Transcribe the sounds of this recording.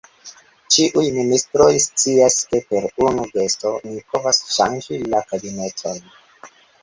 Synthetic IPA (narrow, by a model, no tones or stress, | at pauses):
t͡ʃiʔujministɾo̞jst͡siaske̞pe̞ɾunuɡe̞sto̞nipʰo̞vasʃa̰nd͡ʒilakabine̞tʰo̞n